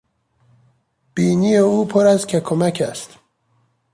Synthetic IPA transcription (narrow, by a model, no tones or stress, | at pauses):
b̥iːnijeuːpʰoɾæzcʲʰekʰomæcʰæst̪